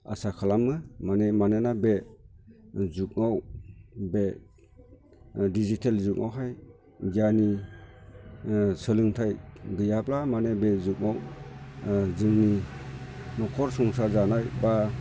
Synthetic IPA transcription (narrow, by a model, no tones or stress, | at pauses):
a̰sakʰalamːɯmanemanenabe | zuk̚nawbe | dizitʰelzuk̚nawɦaj | ɡjani | sɯlɯŋtʰajɡɯjaplamanebezuk̚naw | zɯŋni | nɔkʰɔɾsɔŋsazanajba